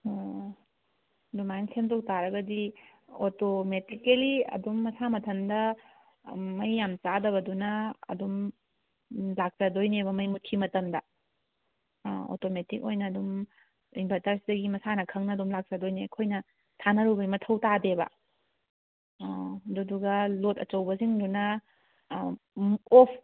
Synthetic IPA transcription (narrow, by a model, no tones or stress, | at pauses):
dumajnsʰentʰow̚taɾɐɡɐdi | otometikeliɐ̰dumːɐsamɐtʰɐndɐ | mɐjːamt͡ʃadɐβɐdunɐɐ̰dum | lak̚sɐdojnebɐmɐjmut̚kʰimɐtɐmdɐ | o̰tometik̚ojnɐːdum | imbʱɐtaɾsidɐɡimɐsanɐkʰɐŋnɐːdumlak̚sɐdojnekʰojnɐ | tʰanɐɾubɐjmɐtʰɐwtabebɐ̰ | duduɡɐlotɐ̰t͡ʃɐwbɐziŋdunɐ | opʰ